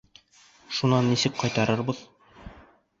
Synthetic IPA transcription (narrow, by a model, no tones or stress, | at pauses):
ʃunɑnːisɘkqɒjt̪ɑɾɤɾbɤð̥